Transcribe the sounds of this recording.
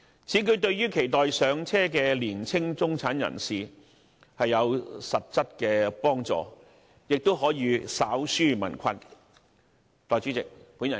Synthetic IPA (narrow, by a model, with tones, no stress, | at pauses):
t͡sʰiː˨˥kɵ˧ɥt̪ɵ˧ɥjyː˥kʰe˨˩jt̪ɔː˨jsœː˨˧ŋt͡sʰɛː˥kɛː˧liː˨˩nt͡sʰɪ˥ŋt͡sʊ˥ŋt͡sʰaː˨˥njɐ̰˨˩nsiː˨˩ | hɐ˨jːɐ˨˧wsɐ˨t̚t͡sɐ˥t̚kɛː˧pɔː˥ŋt͡sɔ̰ː˨ | jɪ˨k̚t̪o˥wɦɔː˨˥jiː˨˧saː˨˥wsyː˥mɐ̰˨˩nkʷʰɐ˧n | t̪ɔː˨jt͡sy˨˥t͡sɪ˨k̚pu˨˥njɐ˨˩